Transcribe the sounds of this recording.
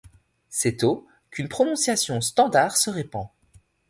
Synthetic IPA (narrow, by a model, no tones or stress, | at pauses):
sɛt̪o | kynpχɔnɔ̃sjasjɔ̃st̪ɑ̃d̪aʁsəʁepɑ̃